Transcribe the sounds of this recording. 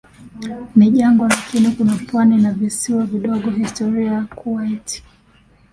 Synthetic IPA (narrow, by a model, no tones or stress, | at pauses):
niʄaŋɡɔlakinikunapwaninavisiwaviɗɔɠɔɦistɔɾiakuaitʰi̥